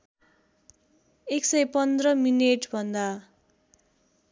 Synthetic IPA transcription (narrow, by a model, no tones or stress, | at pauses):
eksʌjpʌnd̪rʌmineʈbʱʌnd̪a